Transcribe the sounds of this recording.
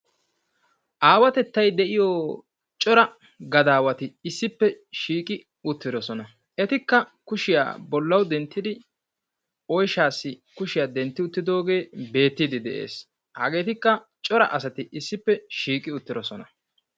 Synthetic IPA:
ʔaːwɐt̪ɛt̪ːɐjd̪ɛʔɪjɔː | t͡ʃʼɔɾɐ | ɡɐd̪aːwɐt̪ɪːsːɪpːɛʃiːkʼɪ | ʊt̪ːɪd̪ɔsɔnɐ | ɛt̪ɪkːɐkʊʃɪja̰ːbɔlːɐwd̪ɛnt̪ːɪd̪ɪ | ɔjʃaːsːɪkʊʃɪjaːd̪ɛnt̪ːɪʊt̪ːɪd̪o̞ːɡe̞ːbe̞ːt̪ːid̪ɪd̪ɛʔḛːs | hɐɡe̞ːt̪ɪkːɐ | t͡ʃʼɔɾɐ̰ʔɐsɐt̪ɪʔɪsːɪpːɛʃiːkʼɪʊt̪ːɪd̪ɔsɔnɐ

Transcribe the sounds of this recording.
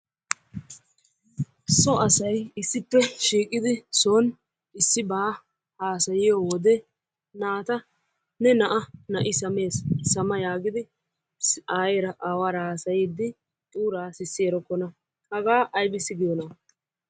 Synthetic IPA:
sɔɐsɐjɪsːɪpːɛʃiːkʼɪd̪ɪsoːn | ɪsːɪbaː | haːsɐjɪjoːwɔd̪ɛ | naːt̪ɐ | nɛnɐʔɐnɐʔɪsɐme̞ːssɐmɐjaːɡɪd̪ɪ | aːjeːɾɐʔaːwaːɾɐhaːsɐjid̪ːɪ | t̪ʼuːɾaːsɪsːɪɛɾɔkːɔnɐ | hɐɡaːʔɐjbɪsɪɡɪjɔna

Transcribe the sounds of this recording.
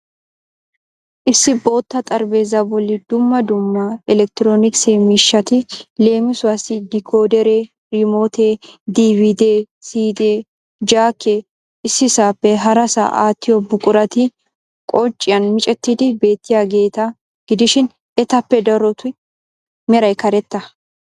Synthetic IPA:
ʔɪsːɪbo̞ːt̪ːɐt̪ʼɐɾbe̞ːzːɐbɔlːɪd̪̥ʊmːɐd̪ʊmːɐɪlɛk̚t̪ɪɾoːnɪkseːmɪʃːɐt̪ɪle̞ːmɪsʊwɐsɪd̪ɪkʰoːd̪ɛɾeː | ɾɪmoːt̪eːd̪iːvid̪eː | siːd̪eː | d͡ʒaːkːe | ɪsːɪsaːpːɛɦɐɾɐsɐ̰ʔa̰ːt̪ːɪjɔbʊkʼʊɾɐt̪ɪ | kʼɔt͡ʃʼːɪjɐnmɪt͡ʃʼɛt̪ːiːd̪ɪbe̞ːt̪ːɪjaːɡe̞ːt̪ɐ | ɡ̥ɪd̪ɪʃɪn | ɛt̪ɐpːɛd̪ɐɾɔt̪ʊ | mɛɾɐjkɐɾɛt̪ːɐ

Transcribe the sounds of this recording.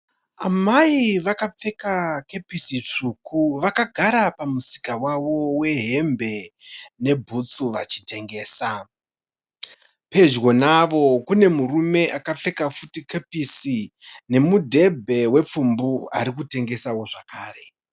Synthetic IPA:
amaiʋakap͡fe̞kake̞pisit͡ʂuːkuʋakaɡʱaɾapamuzi̥kawaʋo̞we̞ɦe̞mbe̞ne̞bʱut͡suʋat͡ʃi̥te̞ŋɡe̞ːsa | pe̞d͡ʒwo̞naʋo̞kune̞murume̞ʔakap͡fe̞kafutikepisine̞mudʱe̞bʱe̞we̞p͡fumbua̰ɾik̬ute̞ŋɡe̞sawo̞ʐakʰaːre̞

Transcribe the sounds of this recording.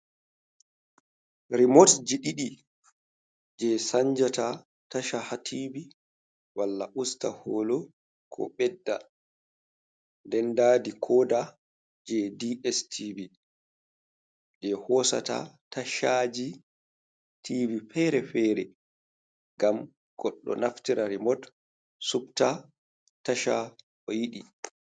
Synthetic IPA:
ɾimotd͡ʒiɗiɗi | d͡ʒɛsaɲd͡ʒata | taʃahatʰiːbi | walːaʔustahoːlɔ | kʰɔ̰ɓɛdːa | ndɛndaːdikʰɔːda | d͡ʒɛdiɛstʰibi | d͡ʒɛhɔsa̰ta̰taʃad͡ʒi | tʰivifɛɾɛfɛːɾɛ | ɡam | ɡ̥ɔɗːɔ̰naftiɾaɾimɔt | sub̚ta | taʃa | ʔɔjiɗi

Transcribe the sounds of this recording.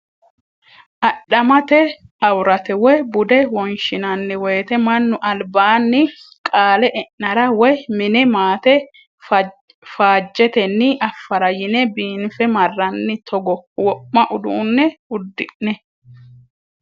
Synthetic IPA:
ʔɐɗɐmɐt̪ɛɐwɾɐt̪ɛwɔjbʊd̪ɛwɔnʃɪnɐnːɪwɛːt̪ɛmɐnːʊʔɐlbaːnːɪkʼaːlɛʔɛʔːɐɾɐwɔjmɪnɛmaːt̪ɛ | faːd͡ʒːɛt̪ɛnːɪʔɐfːɐɾɐjɪnɛbiːnfɛmɐrːɐnːɪt̪ʰɔɡɔwɔpːɐʔʊd̪ṵːnːɛʊd̪ːɪʔnɛ

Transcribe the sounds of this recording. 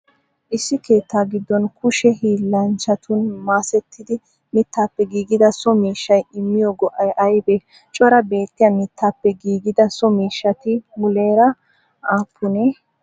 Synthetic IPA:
ʔɪsːɪke̞ːt̪ːaːɡɪd̪ːɔnkʰʊʃɛhiːlːɐnt͡ʃɐt̪ʰʊnmaːsɛt̪ʰːɪd̪ɪ | mɪt̪ʰːaːpːɛɡiːɡɪd̪ɐsɔmiːʃːɐjɪmːɪjɔɡɔʔɐjʔɐjbɛ | t͡ʃʼɔɾɐbe̞ːt̪ːɪjɐmɪt̪ːaːpːɛɡiːɡɪd̪ɐsɔmiːʃːɐt̪ɪmʊle̞ːɾɐ | aːpʰːʊneː

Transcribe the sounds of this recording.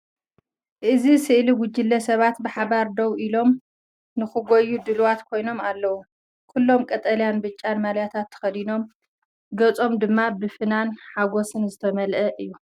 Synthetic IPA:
ʔɨzisɨʔliɡʷʊd͡ʒɨlːɐsɐβat̪bɨħaβaɾd̪ɐwʔilo̞m | nɨxɨɡʷojːud̪ɨlwat̪kʰo̞jno̞malːɐwu | kʰulːo̞mkʼɐt̪ʼɐljanbɨt͡ʃʼːanmaljat̪ʰat̪ʰːɐ̥xɐd̪ino̞m | ɡɐt͡sʼo̞md̪ɨmːabɨfɨnanħaɡo̞sɨnzɨt̪ʰɐmɐlʔɐʔɨjːu

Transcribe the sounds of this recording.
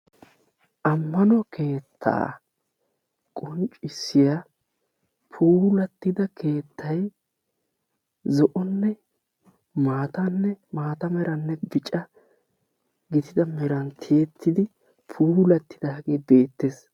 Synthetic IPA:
ʔɐmːɐnɔkʰe̞ːt̪ʰːa̰ː | kʼʊnt͡ʃʼɪsːɪja | pʰuːlɐt̪ːɪd̪ɐkʰe̞ːt̪ːɐj | zɔʔɔnːɛ | maːt̪ɐnːɛmaːt̪ɐmɛɾɐnːɛbɪt͡ʃʼɐ | ɡɪt̪ɪd̪ɐmɛɾɐnt̪ʰɪjɛt̪ʰːɪd̪ɪ | pʰuːlɐt̪ːɪ̥d̪ɐɐɡeːbe̞ːt̪ːes

